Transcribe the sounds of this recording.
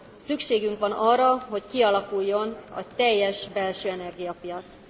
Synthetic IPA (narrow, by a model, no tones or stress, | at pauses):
sykʃeːɡyŋkʋɒnɒrːɒɦo̞ckiɒlɒkujːo̞nɒ̰t̪ɛjːɛʃbɛlʃøːɛnɛrɡijɒpijɒt̪s